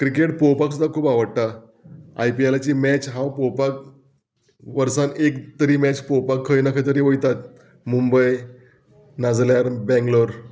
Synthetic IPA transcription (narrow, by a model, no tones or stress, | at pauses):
kɾikeʈ̚powpaksud̪ʱakʰuːpaʋəɽt̪a | ajpialat͡ɕiːmɛt͡ɕɦãwpowpak̚ | ʋəɾsanekt̪əɾiːmɛt͡ɕpowpakʰːəjnakʰəjt̪əɾiʋojt̪at̪ | mumbəj | nad͡zljaɾbɛ̃ŋɡloɾ